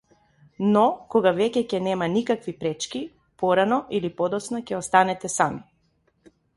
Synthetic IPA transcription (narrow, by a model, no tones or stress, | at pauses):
nɔkɔɡavɛcɛcɛnɛmanikakvipɾɛt͡ʃki | pɔɾanɔʔilipɔd̪ɔt̪snacʲɛɔst̪anɛt̪ɛsami